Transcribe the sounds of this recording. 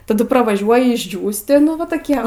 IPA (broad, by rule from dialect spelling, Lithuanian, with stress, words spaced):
tɐˈdʊ prɐʋɐˈʒʲuɔjɪ ɪʒʲˈd͡ʒʲuːsʲtʲɪ ˈnʊ ʋɐ toːˈkʲiɛ ʋɐ